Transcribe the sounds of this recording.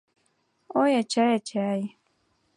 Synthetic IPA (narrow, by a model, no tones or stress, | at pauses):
ojat͡ʃajat͡ʃaj